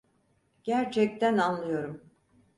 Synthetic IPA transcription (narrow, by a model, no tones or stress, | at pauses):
ɟ̥æɾt͡ʃʰɛc̚t̪ʰænanlˠɯjo̞ɾum